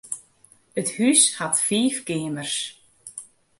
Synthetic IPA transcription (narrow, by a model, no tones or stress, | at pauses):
əthyshatfiːfkɪːmərs